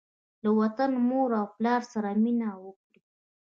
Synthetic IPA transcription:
lawat̪anmoɾawplɑɾsaɾaminawəkɽi

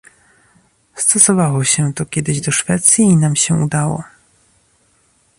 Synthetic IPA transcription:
st̪ɔsɔvawɔɕɛt̪ɔkʲɛd̪ɘʑd̪ɔʂfɛt̪sʲjiːnamɕɛṵd̪awɔ̰

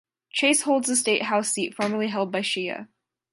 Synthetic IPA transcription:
t͡ʃʰeɪshoʊlˠdzəsteɪʔ̚ɦaʊsitfɔɹmə˞lˠiɦɛlˠd̚baɪʃiɨ̰

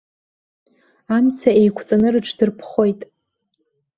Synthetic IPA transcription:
amt͡sʰaejkʷʰt͡sʼanɨrɨʈ͡ʂʰdɨrpʰχo̞jtʼ

